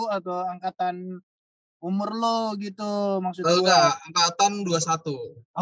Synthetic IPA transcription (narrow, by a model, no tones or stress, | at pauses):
at̪oaŋkat̪an | umʊrloɡit̪umaksut̪oɡaaŋkat̪anduasat̪u